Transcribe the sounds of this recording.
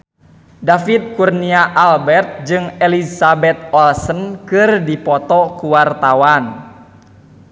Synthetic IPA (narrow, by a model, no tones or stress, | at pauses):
dafit̪̚kurniaʔalbɛrt̪̚d͡ʒɨŋɛlisabɛt̪̚ɔlsənkɨrdipɔt̪ɔkuwart̪awan